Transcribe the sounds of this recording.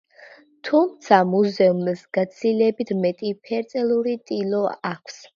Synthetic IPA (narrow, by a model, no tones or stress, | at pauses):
t̪ʰumt̪sʰamuzɛumsɡat̪sʰilɛbit̪ʰmɛt̪ʼipʰɛɾt̪sʼɛlˠuɾit̪ʼilɔakʷʰs